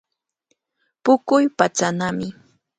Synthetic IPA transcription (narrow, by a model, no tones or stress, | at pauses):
pʊkʊjpat͡ʃanamɪ